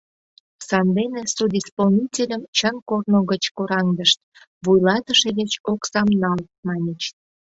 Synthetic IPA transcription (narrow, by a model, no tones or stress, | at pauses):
sɑnd̪enesud̪ʲispolnʲitʲelʲəmt͡ɕənkornoɣət͡ɕkoɾɑŋd̪əʃt̪̚ | βujlɑt̪əʃeɣet͡ɕoksɑmnɑl | mɑnʲet͡ɕ